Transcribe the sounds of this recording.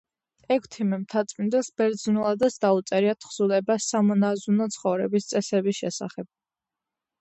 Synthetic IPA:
ɛkʰt̪ʰimɛmt̪ʰat̪sʼmind̪ɛlˠsbɛɾd̪znulˠad̪asd̪aut̪sʼɛɾiat̪ʰχz̥ulɛbasamɔnazunɔt̪sʰχɔvɾɛbist̪sʼɛsɛbisʃɛsa̰χɛb̥̚

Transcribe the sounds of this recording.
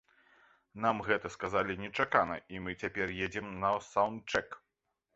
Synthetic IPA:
namɣɛt̪ɐskazalʲinʲɛt͡ʂakanɐ̰imɨt͡sʲapʲɛrjed͡zʲɛmnɐsawnt̪̚t͡ʂɛk

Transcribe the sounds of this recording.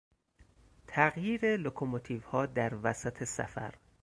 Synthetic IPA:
t̪ʰæɣjiːɾelokʰomot̪ʰiːvhɒːd̪æɾvæsæt̪ʰesæ̰fæ̰ɾ

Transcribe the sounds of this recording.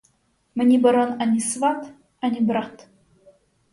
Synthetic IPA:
mɘnʲibɐɾonanʲisvat̪ | anʲibɾat̪

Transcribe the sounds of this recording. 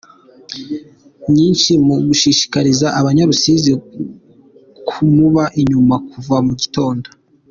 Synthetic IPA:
ɲiːnʃimuɡuʃiːʃi̥kaɾizaʔaβaɲaɾusiːzi | kʰumuβaʔiɲumakuvamuɟito̞ːndo

